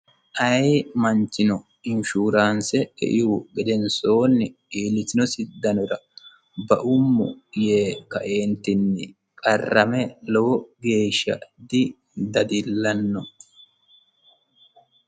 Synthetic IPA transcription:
ʔɐjmɐnt͡ʃːɪnɔ | ɪnʃuːɾaːnsɛɛ̰ʔɪhʊɡɛd̪ɛnso̞ːnːɪ | iːlːɪtːɪnɔsɪd̪ːɐnɔɾɐ | bɐʔʊmːʊ̰jeːkːɐʔe̞ːnt̪ɪnːɪ | kʼɐrːɐmɛlɔwɔbjeːʃːɐ̰d̪ɪ | d̪ɐd̪ɪlːɐnːɔ

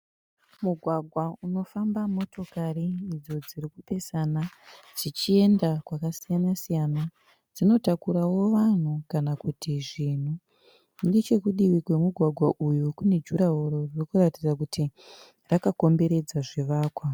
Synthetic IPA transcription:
muɡʱwaɡʱwauno̞fambamo̞to̞kariid͡zo̞d͡zirikupe̞sana | d͡zit͡ʃie̞ndakwakasijanasijana | d͡zino̞takuɾawo̞ʋan̤ukanakutiʐin̤u | ndet͡ʃe̞kuɗiwikwe̞muɡʱwaɡʱwaʔujukune̞d͡ʒuɾaɦoɾo̞rirokuratid͡zakutʰi | rakako̞mbe̞ɾe̞d͡zaʐeʋaːkwa

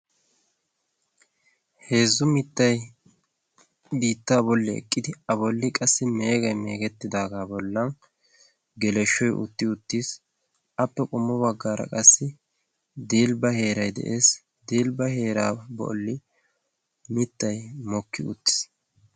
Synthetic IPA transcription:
he̞ːzːʊmɪt̪ːɐj | biːt̪ːaːbɔlːɪɛ̰kʼːɪd̪ɪɐbɔlːɪkʼɐsːɪmeːɡɐjme̞ːɡɛt̪ːɪd̪aːɡaːbɔlːɐn | ɡɛlɛʃːɔjʔʊ̰t̪ːɪʊt̪ːiːs | ɐpːɛkʼʊmːɔbɐɡːaːɾɐ̰kʼɐsːɪ | d̪iːlbɐhe̞ːɾɐjd̪ɛ̰ʔe̞ːs | d̪iːlbɐhe̞ːɾa̰ːbɔ̰lːɪ | mɪt̪ːɐjmɔkːɪʊ̰t̪ːɪ̥s

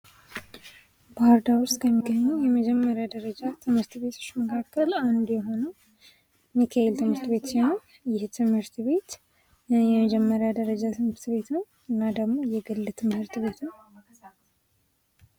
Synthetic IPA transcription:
b̥aɾd̪awʊst̪kʰəmːiɡːəɲːujɛməd͡ʒɛmːəɾjad̪əɾəd͡ʒat̪ʰɨmhɨɾt̪βet̪ʰo̥t͡ʃːməkʰakːəland̪jɛɦo̞nəw | mikʰaelt̪ʰɨmhɨɾt̪be̞t̪sɛnə | jɪht̪ʰɨmhɨɾt̪ʰβe̞t̪ | jɛməd͡ʒɛmːəɾjad̪əɾəd͡ʒat̪ʰɨmhɨɾt̪βe̞t̪nəw | ɨnːad̪əɡmo̞jɛɡɨlːɨt̪ʰɨmhɨɾt̪ɨβe̞t̪nəw

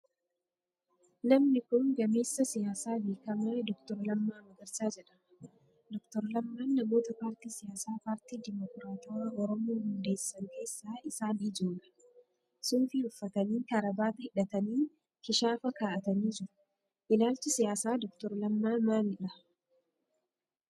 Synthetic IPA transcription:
nɐmnɪkʊnɡɐme̞ːsːɐsɪjaːsaːbeːkɐmaːd̪ɔkt̪ɔɾlɐmːaːmɐɡɐɾsaːd͡ʒɛᶑɐ̥ | d̪ɔkt̪ɔɾlɐmːaːnːɐmo̞ːt̪ɐpaːɾt̪iːsɪjaːsaːpaːɾt̪iːd̪ɪmɔkɾaːt̪ɔwaːʔɔɾɔmoːhʊnd̪e̞ːsːɐŋke̞ːsːaːɪsaːnid͡ʒoːlɐ̥ | sʊnfɪʊfːɐt̪ɐniːk̪ɐɾɐbaːt̪ɐhɪᶑɐt̪ɐniː | kɪʃaːfɐkaːʔɐt̪ɐniːd͡ʒɪɾʊ̥ | ʔɪlaːlt͡ʃɪsɪjaːsaːd̪ɔkt̪ɔɾlɐmːaːmaːnɪᶑɐ

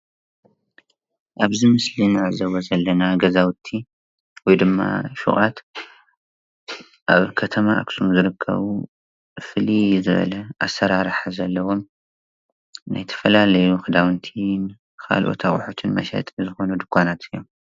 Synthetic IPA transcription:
ʔaβzɨmɨslinazɐwɐzɐlːɐnaɡɐzawt̪ʰːi | wɔjd̪ɨmːa̰ʃṵʔʼa̰t̪ | ʔa̰βkʰɐt̪ʰɐmaʔa̰ksumzɨɾɨkʰːɐ̰βu | fɨlizɨβɐ̰lɐʔasːɐɾaɾħazɐlːɐwo̞m | na̰jt̪ʰɐ̥fɐlalɐjuxɨd̪awɨnt̪ʰin | kʰa̰lʔo̰t̪ʰaxʼʊħot̪ʰɨnmɐ̰ʃɐ̰t̪ʼzɨxo̞nud̪ɨkʰʷːanat̪ʰɨjːom

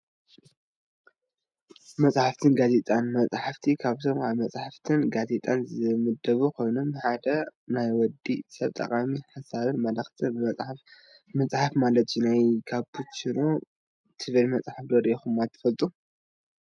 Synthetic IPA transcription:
mɐt͡sʼħaft̪ʰɨnɡazet̪ʼanmɐt͡sʼħaft̪ʰikʰaβt̪ʰomaβmɐt͡sʼħaft̪ʰɨnɡaze̞t̪ʼanzɨmɨd̪ɐβukʰo̞jnomħad̪ɐnajwɔd̪ːisɐβt̪ʼɐ̰kʼamiħasaβɨnmɐlɐxt̪ʰɨnɨɐt͡sʼ | mɐt͡sʼħafmalɐt̪junajkʰabʰut̪t͡ʃiɾo | t̪ʰɨβɐlmɐt͡sʼħafd̪oɾɛxumat̪ʰɐ̥fɐlt̪ʼu

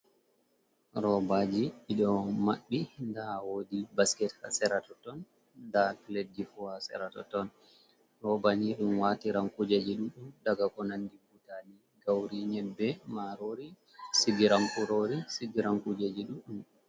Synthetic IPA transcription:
ɾɔbad͡ʒiiɗɔmaɓːindawoːdibaskɛtha̰sɛɾatɔtɔn | datledːifuhasɛ̰ɾatɔ̰tɔn | ɾɔbaniɗumwatiɾaŋkud͡ʒed͡ʒiɗumɗumdaɡakɔnandibutani | ɡawɾiɲɛbːɛmaɾoɾi | siɡiɾaŋkuɾoɾisiɡiɾaŋkud͡ʒed͡ʒiɗumɗum

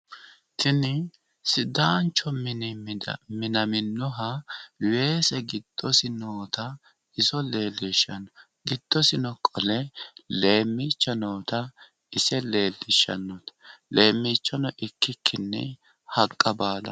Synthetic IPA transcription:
t̪ɪnɪ | sɪd̪aːnt͡ʃːɔmɪnɪmɪd̪ɐ̰mɪnɐmɪnːɔɦɐwe̞ːsɛɡɪd̪̥ːɔsɪnoːt̪ɐ | ɪsɔle̞ːlːɪʃːɐnɔ | ɡɪd̪̥ːɔsɪnɔkʼɔlɛle̞ːmːiːt͡ʃːɐnoːt̪ɐ | ɪsɛle̞ːlːɪʃːɐ̰nːɔt̪leːmːiːt͡ʃːɐnɔʔɪkːɪkʰːɪnːɛ̰ | hɐkʼːɐbaːlɐ̰

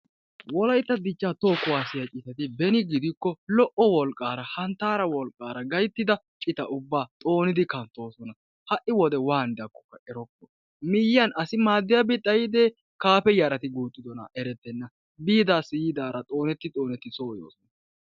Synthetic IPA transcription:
wɔlɐjt̪ːɐd̪ɪt͡ʃːat̪oːkːʊwaːsɪjɐt͡ʃʼɪt̪ɐt̪ɪbɛnɪɡɪd̪ɪkːɔlɔʔɔwɔlkʼːaːɾɐhɐnt̪ːaːɾɐwɔlkʼːaːɾɐɡɐjt̪ːɪd̪ɐ | t͡ʃʼɪt̪ɐʔʊbːaːt̪ʼo̞ːnɪd̪ɪkɐnt̪ːo̞ːsɔnɐ | hɐʔɪwɔd̪ɛwaːnɪd̪ɐkːɔ̥kːɐʔɛɾɔkːɔ | mɪjːɐnɐsɪmaːd̪ːɪjɐbɪt̪ʼːɐjɪd̪eː | kaːpɛjaɾɐt̪ɪɡuːt̪ʼːɪd̪ɔnɐ̰ʔɛɾɛt̪ːɛnːɐ | biːd̪aːsɪjɪd̪aːɾɐt̪ʼo̞ːnɛt̪ːɪt̪ʼo̞ːnɛt̪ːɪsʼoːjo̰ːsɔnɐ

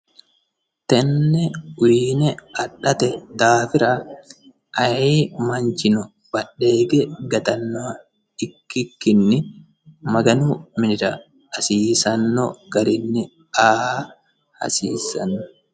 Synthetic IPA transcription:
t̪ɛnːɛʊiːnɛɐɗːɐt̪ɛd̪aːfɪɾɐ | ʔɐjiːmɐnt͡ʃɪnɔ | b̥ɐɗːeːɡɛɡɐt̪ɐnːɔ | ɪkːɪkːɪnːɪ | mɐɡɐnuːmɪnɪɾɐː | siːsɐnːɔɡ̥ɐɾɪnːɪ | aːh | hɐ̰siːsɐnːɔ

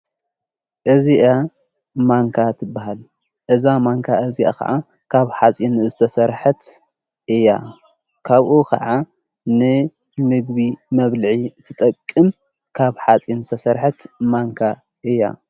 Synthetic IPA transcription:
ʔɨziʔa | maŋkʰat̪ʰɨbːaɦal | ʔɨzamaŋkʰaɨzia̰kʰɐ̰ʕa | kʰaβħat͡sʼinzɨt̪ʰɐsɐɾħɐt̪ | ʔɨja̰ | kʰaβʔukʰɐ̰ʕa | nɨ | mɨɡ̚βimɐβlɨʕiɨt̪ʰːɨt̪ʼɐkʼːɨm | kʰaβħat͡sʼinzɨt̪ʰɐsɐɾħɐt̪maŋkʰa | ʔɨjːa̰

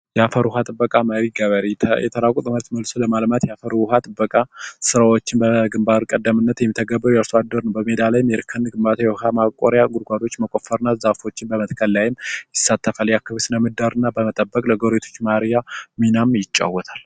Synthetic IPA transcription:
jɛafəɾuɦat̪ʼɨbːəkʼaməɾiɡəβəɾijɛt̪ʰəɾakʼt̪ʼɨməɾt̪məlsoləmalmat̪jɛafəɾuhat̪ʼɨbːəkʼasɨɾawot͡ʃːɪnbəɡɨmbaɾkʼəd̪ːəmɨnːət̪jɛmːit̪ʰəɡəbːəɾujəɾsoad̪ːəɾnəwbəmed̪alajmɛɾkʰɨnɡɨmbat̪ʰjɛwɦamakʼoɾjaɡuɾɡʷad̪o̞t͡ʃːməkʼo̞fəɾɨnːazafo̞t͡ʃːɪnbəmət̪kʰəlːajɪmjɪsːat̪ʰːəfaljakːaβesɨnəmɨd̪ːaɾɨnːabəmət̪ʼəbːəkʼləɡoɾet̪ʰo̞̥t͡ʃːmaɾjaminamjɪt͡ʃʼːa̰wːɔt̪ʰal

